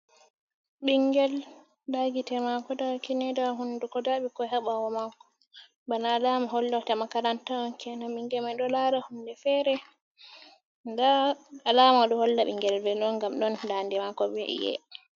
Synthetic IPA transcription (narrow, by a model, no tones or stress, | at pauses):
ɓiŋɡɛl | daɡitɛmakɔdakinɛdaɦundukɔdaɓikɔɦɛɓawɔmakɔ̥ | banaːlamaɦɔlːatamakaɾantaɔnkɛnaɓiŋɡɛmajɗɔlaɾahundɛfɛɾɛ | ndaalamaɗɔhɔlːaɓiŋɡɛlvɛɗɔnɡamɗɔndandɛmakɔbɛ̰jɛ̰